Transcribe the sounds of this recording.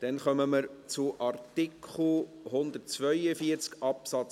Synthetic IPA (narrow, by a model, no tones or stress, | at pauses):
d̥ɛnχœməməɾt͡suʔɑrt̪ikʰχl̩ɦʊnd̪ət̚t͡svœʏəfiəɾt͡skɑpsɑt͡s